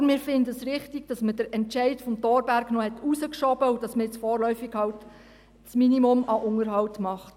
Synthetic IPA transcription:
mɪːɾfɪndəəsɾɪχtiɡ̥̚d̥ɑsməd̥əɾɛnt͡ʃɛɪdfɔmtɔːɾbæɾɡnɔhɛtʰusəkʃɔbəud̥ɑsməɪt͡sfɔːɾlœɥfiɡ̥hɑwt | t͡sminimʊmɑʔʊŋəɾɦɑwtmɑχt

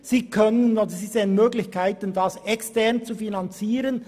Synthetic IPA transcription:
siːkʰœnənodəziːzeːənmøːɡlɪçkʰaɪtəndɑsɛkstɛʁnt͡sufinɑnt͡siːɾən

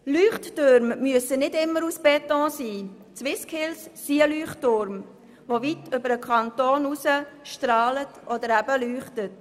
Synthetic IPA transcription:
lyːχtːøɾmːyəsənɪdɪmːəɾusb̥ɛtɔ̃ːsiː | t͡sʋɪskʰɪlsːiəlyːχtːʊɾm | vovitʏbəɾəkʰɑntoːnusəʃtɾɑːlətʔɔdəɾæbəlyːχtət

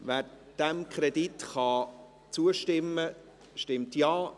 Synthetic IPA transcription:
ʋæːɾ | d̥ɛmkʰɾɛditχɑ | t͡suəʃtɪmːə | ʃtɪmtjɑː

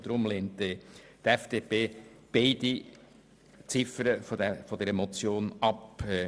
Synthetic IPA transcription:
d̥̪ɾʊmleːnt̪et̪ɛfd̪̥epeːb̥eɪd̪i | t͡sɪfəɾəfdɛfɔd̥̪ɛɾɛmɔt͡sjoːnɑpː

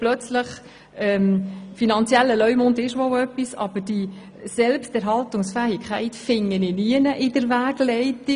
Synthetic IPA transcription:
plœt͡sləχ | ɛmfinɑnt͡siɛlːəlœʏmondɪʃʋowœpːisɑ̰b̥əd̥i | sɛlpstɛɾɦɑltʊŋsfæːhɪkʰχæɪtfɪŋːənɪniənəʔɪdəɾvæːɡ̥lɛɪti

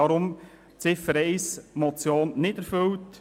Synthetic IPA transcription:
ɑɾʊm | t͡sɪfəɾɛɪsmɔt͡sjoːnnɪdɛɾfʏlt

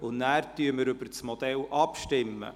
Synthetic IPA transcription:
ʊnæːɾt̪yəməɾɵbəɾsmɔd̪̥ɛlʔɑpʃtɪmːə̰

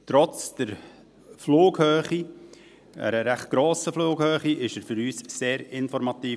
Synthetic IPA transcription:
t̪ɾɔt͡sd̥əɾ | floːɡ̥hœːχi | æ̰ɾəɾæχt̚ɡ̥ɾoːsəfloːɡ̥hœːχiʔɪʃəɾfʏɾyːsseːɾɪnfɔɾmɑt̪iː

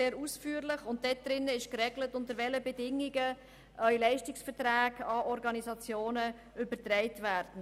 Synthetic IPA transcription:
eːɾusfyːɾlɪχʊnt̚d̥ɛt̚d̪ɾɪnːəɪʃkrɛɡlətʊntəɾʋɛləbɛdɪŋiɡə | ʔœʏlɛɪʃtɪksfətræːɡɑɔɾɡɑnizɑt͡sjoːnə | ʏbətɾɛɪtʋæːɾd̥n̩

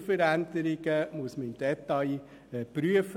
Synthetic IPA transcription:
fəɾænd̪əɾɪɡ̥əmuəsməɪmd̥̪ɛt̪ɑj | ɛpryəf

